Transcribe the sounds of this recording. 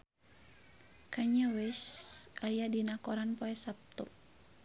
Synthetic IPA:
kaɲawɛsʔajadinakɔɾanpɔɛsap̚t̪ɔ

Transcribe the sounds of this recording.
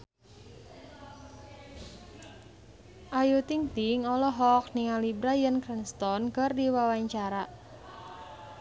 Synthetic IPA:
ʔajut̪iŋt̪iŋɔlɔɦɔk̚niŋalibɾajənkɾɛnst̪ɔnkərdiwawaɲt͡ʃaɾa

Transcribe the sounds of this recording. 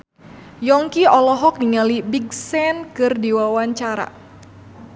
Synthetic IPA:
jɔŋkiɔlɔɦɔk̚niŋalibiɡsɛnkɨrdiwawaɲt͡ʃaɾa̰

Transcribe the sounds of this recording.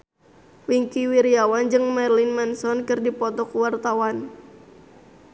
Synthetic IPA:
wiŋkiwiɾiawand͡ʒɨŋmɛrlinmansɔnkɨrdipɔt̪ɔkuwart̪awan

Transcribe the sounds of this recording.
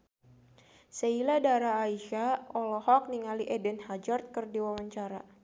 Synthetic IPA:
səiladaɾaːiʃaɔlɔhɔk̚niŋaliʔɛdɛnhad͡ʒɔrt̪̚kərdiwawaɲt͡ʃaɾa

